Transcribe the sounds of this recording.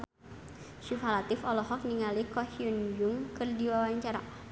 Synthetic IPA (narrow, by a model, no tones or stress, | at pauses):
ʃufalat̪ɪfɔlɔɦɔk̚niŋalikɔhiund͡ʒuŋkɨrdiwawaɲt͡ʃaɾa̰